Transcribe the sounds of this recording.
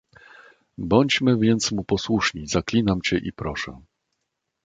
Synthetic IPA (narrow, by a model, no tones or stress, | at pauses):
bɔɲt͡ɕmɘvʲjɛnt̪smupɔswuʂɲizaklʲinamt͡ɕɛʔipɾɔʂɛ̰